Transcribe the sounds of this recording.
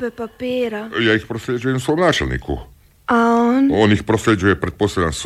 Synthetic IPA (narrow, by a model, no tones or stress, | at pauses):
pɛpapiɛːɾajaːixpɾɔslɛd͡ʒujɛmsʋɔjmnaːt͡ʃɛ̰lɲʲḭːkṵ | aɔnɔnixpɾɔslɛd͡ʒujɛpɾɛt̪̚pɔslɛd̪ans